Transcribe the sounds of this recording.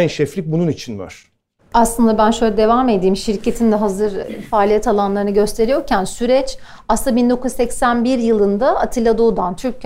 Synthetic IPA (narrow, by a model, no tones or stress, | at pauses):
nʃɛflʲic̚bununit͡ʃʰinva̰ɾ̥ | aslˠɯnd̪abænʃøjlʲɛd̪e̞vamed̪iːmʃiɾcʰe̞t̪ʰind̪ɛɦazɯɾfaːlʲijɛt̪ʰalˠanlˠaɾɯnɯɟø̞st̪ʰe̞ɾijo̞ɾcʰænsyɾɛt͡ʃ | aslˠabind̪o̞kuzsɛcsænbiɾjɯlˠɯnd̪aat̪ʰilʲad̪o̞d̪ant̪ʰyɾcʰ